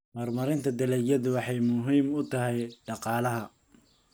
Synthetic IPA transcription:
mɐrmɐɾɪnt̪ʰɐd̪ɪlɛjɐðʊwɑħɑjmʊɦiːmʊt̪ʰɐɦɛjɖɑqɑːlɐɦɐ

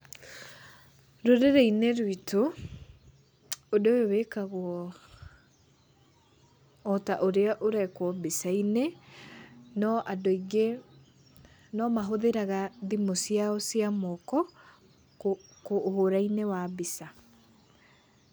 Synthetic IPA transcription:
ɾoɾeɾɛineɾwito | odowewekaɣwɔ | taʔoɾeaʔoɾɛkwɔbisaine | nɔʔadoiɡe | nɔmaɦoðeɾaɣaðimosiaɔsiamɔkɔ | koːhoɾainewabisa

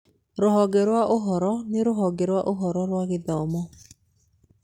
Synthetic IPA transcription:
ɾoɦɔɡeɾwaʔoɦɔɾɔneɾoɦɔɡeɾwaʔoɦɔɾɔɾwaɣeðɔmɔ

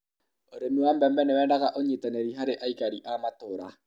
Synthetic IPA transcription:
oɾenuambɛmbɛnewɛːndaɣaʔoɲetaneɾiɦaɾeʔaikaɾiʔamatoːɾa

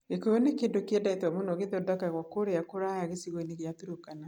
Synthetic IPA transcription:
ɣekojɔnekendokeɛdaitwamonɔɣeðɔdakaɣwakoɾeakoɾajaɣesiɣoineɣjatuɾokana

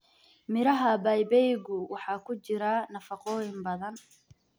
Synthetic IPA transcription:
mɪɾɐɦɐbɐjbɛjɣʊwɑħɑːkʰʊt͡ʃɪɾanɐfɑqɔːjɪmbɐðɐn

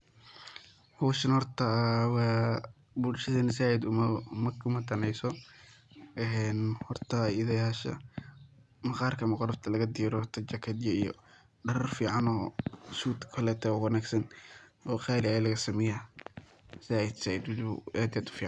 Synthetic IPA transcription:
hɔːʃɐnhɔrt̪ʰɐwɑː | bulʃɐðɐnɪsaːɪd̪ʊmmɐkʰʊmɐd̪ɐnɛjsɔ | ʔɛnhɔrt̪ʰɐɪðɛɐʃɐ̰ | mɐqɑːrkʰɐmɐqɔɾɐft̪ʰɐlɐɣɐd̪iːɾɔhɔrt̪ʰɐt͡ʃɐkʰɐd̪jɐḭjɔ̰ | ɖɐrɐrfiːʕɑnɔːʃuːt̪kʰɐlɛːt̪ʰɛwwɑnaːɡsɐnɔːqɑːɾɪalɐɣɐsɐmɪjaː | nɪsaːjɪd̪saːɪd̪wʊlɪβʊaːd̪ɪjaːd̪ʊ̥fiːʕɑn

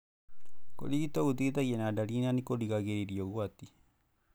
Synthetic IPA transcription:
ko̰diɡit̪out̪iɡit̪ajienadaɾinanikoliɡaɡeɾiɾioɡuat̪i

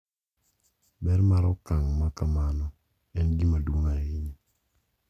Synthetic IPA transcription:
bɛɾmaɾɔkaŋmakamanɔ | ɛnɡimadwoŋaɪɲɔ

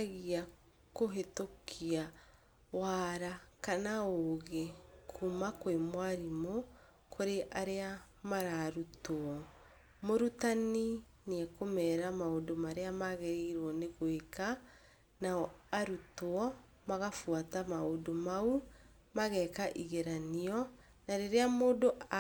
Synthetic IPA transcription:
ɣia | koɦetokʰia | waɾakanaoɣekʰumakwemwaɾimo | kʰoɾeʔaɾea | maɾaɾutoɔ | moɾutani | neɛkomɛɾamaodomaɾeamaɣeɾeiɾwɔneɣweka | naɔaɾutoɔ | maɣafwatamaodomau | maɣɛkaʔiɣeɾaniɔ | naɾeɾeamoːdoa

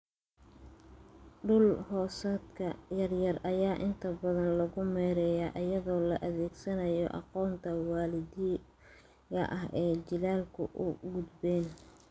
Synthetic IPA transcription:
ɖʊlhɔːsɐd̪kʰɐjɐrjɐrɐjaːʔɪnt̪ʰɐbɐðɐnlɐɣʊmɛːɾɛːjaːʔɐjɐðɔːlɐʔɐðɛːɡsɐnɐjɔ̰ʔɑ̰qɔːnt̪ʰɐwɑːlɪd̪i | ɐʔɐɦɛːt͡ʃɪlaːlkʰʊ̰ʔʊɡʊd̪bɛːn

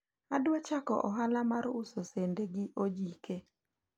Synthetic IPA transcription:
adwat͡ʃakɔ̰ʔɔɦalamaɾusosendeɡɪʔod͡ʒike

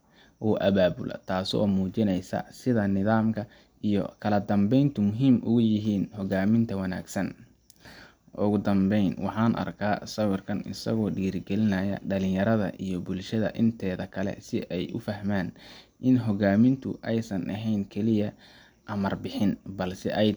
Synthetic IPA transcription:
ʔɔːʔɐβaːbʊ̰lʔɐ̰t̪ʰaːsɔ̰ːmuːt͡ʃɪnɛjsɐ̰sɪðɐnɪðaːmkʰɐ | ijɔ̰kʰɐlɐd̪ɐmbɛjnt̪ʰʊmʊɦiːmʔʊɣʊjɪɦiːnhɔɣaːmɪnt̪ʰɐwɐna̰ːɡsɐn | ʔʊɣʊd̪ɐmbɛjnwɑħɑːnʔɐ̰rkʰaːsɐwɪrkʰɐnɪsɐ̰ɣɔːɖiːrɡɛlɪnɐjɐ̰ɖɐlɪ̃jɐɾɐðɐ̰ʔijɞbʊlʃɐðɐ̰ʔɪnt̪ʰɛːðɐkʰɐlɛ̰sɪʔɛjʔʊfɐɦmaːnʔɪnɦɔɣaːmɪnt̪ʰʊ̰ʔɛjsɐnʔɐɦɛjnkʰɛlɪjɐ | ʔɐmɐrbɪħɪnbɐlsɛ̰ʔɛj

